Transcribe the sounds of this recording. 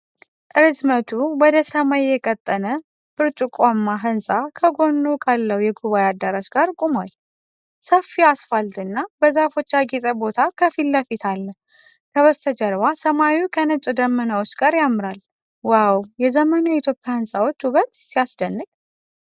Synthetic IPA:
ʔɨɾɨzmət̪ʰuwɔd̪əsəmajjɛkʼət̪ʼːənə | b̥ɨɾt͡ʃʼukʼamːaɦɨnsʼakʰəɡo̞nːukʰalːəwujɛɡuβajad̪ːaɾat͡ʃɡaɾkʼumoj | səfːiasfalt̪ʼɨnːabəzafo̞t͡ʃːaɡit̪ʼəbo̞t̪ʰakʰəfilːəfit̪ʰalːəh | kʰəβəst̪ʰəd͡ʒəɾwasəmawiwkʰənɨt͡ʃʼd̪əmːənawot͡ʃːɡaɾjamːɨɾal | wawjɛzəmənajɛit̪ʰjo̞pʼːjahɨnsʼawot͡ʃːuβət̪siasd̪ənːɨkʼ

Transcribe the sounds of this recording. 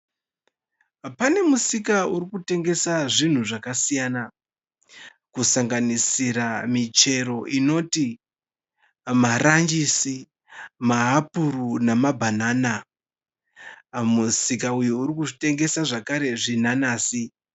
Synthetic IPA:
pane̞musikauɾikute̞ŋɡe̞saʐin̤uʐakasijana | kusaŋɡanisiɾamit͡ʃe̞ɾo̞ʔino̞ti | marand͡ʒisi | maɦapuɾunamabʱanaːna | musikaujuuɾikuʐite̞ŋɡe̞saʐakaɾe̞ʐinanaːsi

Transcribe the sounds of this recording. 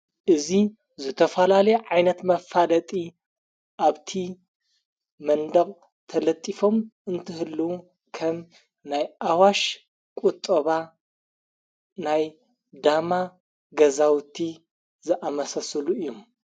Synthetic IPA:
ʔɨzi | zɨt̪ʰɐfɐlalɐjeʕajnɐt̪mɐfalɐt̪ʼi | ʔaβt̪ʰi | mɐnd̪ɐχʼ | t̪ʰɐlɐt̪ʼːifo̞mʔɨnt̪ʰɨhɨlːɐwu | kʰɐm | najʔawaʃ | kʼut̪ʼːɐβa | naj | d̪ama | ɡɐzawt̪ʰi | zɨʔamɐsɐsɐluɨjːom

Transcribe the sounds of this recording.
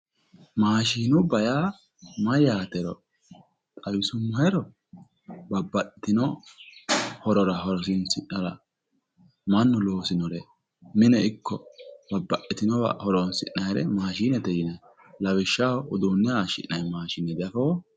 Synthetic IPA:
maːʃiːnʊbɐja | mɐjaːt̪ɛɾɔ̰ | t̪ʼɐwɪsʊmːɐhɛɾɔ | bɐbːɐʔɪt̪ɪnɔ | hɔɾɔɾɐɦɔɾɔs̬ɪnsɪʔnɐɾɐ̰ | mɐnːɔloːsɪnɔɾɛ | mɪnɛɪkʰːɔb̥ɐbːɐʔɪt̪ɪnɔwɐ̰hɔɾɔnsɪʔːɐjɛɾɛmaːʃiːnɛt̪ɛjɪnɐ | lɐwɪʃːaɔd̪oːnːɛaʃɪ̰ʔːɐjmaːʃɪnɛd̪ɐfoː

